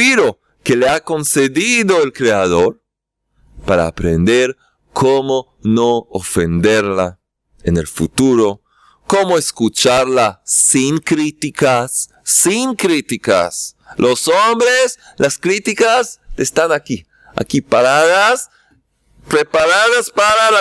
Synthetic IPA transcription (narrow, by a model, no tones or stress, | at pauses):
iɾo | keleako̞nseðiðoelkɾeaðo̞ɾ | paɾa̰ːpɾend̪eɾ | kʰomo | noofend̪eɾla | enelfṵt̪uɾo̞ | komoeskut͡ʃaɾlasiŋkɾit̪ikasː | iŋkɾit̪ika̰slʔosombɾes | laskɾit̪ikasest̪anaki | a̰kipaɾaðas | pɾepaɾaðaspaɾal